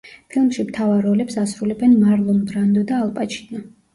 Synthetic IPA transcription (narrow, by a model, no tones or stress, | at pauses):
pʰilˠmʃimt̪ʰavaɾɔlɛpsasɾulɛbɛnmaɾlˠɔmbɾand̪ɔd̪aːlˠpʼat͡ʃʰi̥nɔ